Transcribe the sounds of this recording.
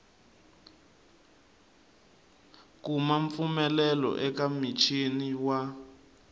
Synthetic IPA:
kumaɱfumɛlɛlɔ̰ʔɛkamit͡ʃʰiniwa

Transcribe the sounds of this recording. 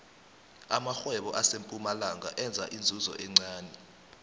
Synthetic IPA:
amaxwɛɓɔʔasempʼumalaŋɡʱa̰ʔɛnd͡zʱa̰ʔind͡zʱuzɔ̰ʔɛŋ͡ǀaːnɛ

